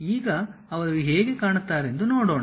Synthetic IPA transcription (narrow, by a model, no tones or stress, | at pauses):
iːɡɐɐʋɐɾɐlːiɦeːɡe̞kaːɳut̪ːaːɾe̞nd̪unoːɽoːɳ